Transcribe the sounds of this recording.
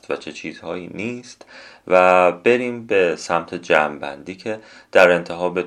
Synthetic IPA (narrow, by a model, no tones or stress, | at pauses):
t̪væt͡ʃʰe̞t͡ʃʰiːz̥hɒːjiːniːst̪ | væb̥e̞ɾiːmbe̞sæmt̪ʰed͡ʒæːmbæ̰nd̪iːcʰe̞ | d̪̥æɾe̞nt̪ʰe̞ɦɒːbe